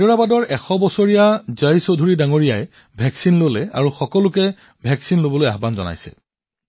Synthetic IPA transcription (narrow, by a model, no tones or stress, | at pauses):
ɔɹabadɔɹɛxɔbɔsoɹijazajsodʱuɹidaŋoɹijaj | bʱɛksinlolɛa̰ɹuxɔkɔlʊkɛ | bʱɛksinlobɔlojaɦbanzɔ̰na̰jsɛ̰